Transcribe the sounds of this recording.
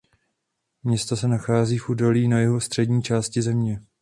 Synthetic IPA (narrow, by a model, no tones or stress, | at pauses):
mɲɛst̪osɛnaxaːziːfʔuːdo̞liːnajɛɦo̞st̪r̝̥ɛdɲiːt͡ʃaːscɪzɛmɲɛ